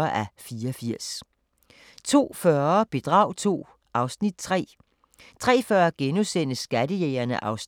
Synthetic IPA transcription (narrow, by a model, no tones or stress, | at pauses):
ɐʔæfiːɐɒfiɐ̰s | t͡sʰo̝̰ːfɶɐb̥e̝d̥ʁɑ̰̈ʊ̰t͡sʰo̝̰ː | ɑ̈ʊsnid̥̚t͡sʰʁɛ̰ː | t͡sʰʁɛ̰ːfɶɐɡ̥enusen̰əsɡ̥æd̥əjeːɐnəʔɑ̈ʊs